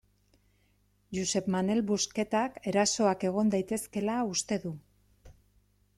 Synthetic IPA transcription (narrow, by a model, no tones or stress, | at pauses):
juse̞pmane̞lβuske̞t̪ake̞ɾaso̞ake̞ɣ̞o̞nd̪ajt̪e̞ske̞laust̪e̞ðu